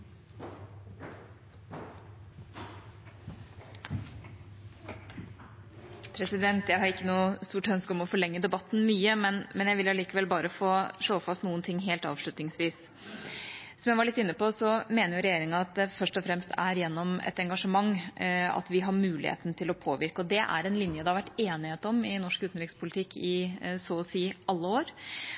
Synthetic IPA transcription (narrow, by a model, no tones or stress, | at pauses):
pʰɾɛsɪd̪ɛnt̪jæɪhɑɾɪkːənuːst̪uːʈœnskəɔmɔfɔɭɛŋːəd̪ɛbɑt̪ːn̩myːəmɛnmɛnjæɪʋɪlɑliːkəʋɛlbɑːɾəfoːʂoːfɑst̪nuːənt̪ʰɪŋːɦeːlt̪ɑ̰ːʋʂɭʉt̪nɪŋsʋiːs | sɔmjæɪʋɑɾɭɪt̪ːɪnːəpɔsɔmeːnəɾjʊɾɛjeːɾɪŋɑɑt̪̚d̪ɛfœʂʈɔfɾɛmst̪ʰæɾjɛnːɔmɛ̰t̪ɛŋɡɑʂəmɑŋːɑ̰t̪ʋɪɦɑɾmʉːlɪ̰hḛːt̪n̩t̪ʰɪlɔpʰoːʋɪɾkəɔd̪ɛʔæ̰ɾɛnlɪnjəd̪ɛhɑɾʋæʈːeːnɪheːt̪ɔmɪnɔʂkʉːt̪n̩ɾɪkspʰʊlɪt̪ʰɪkːɪsɔsiːʔɑlːəoːɾ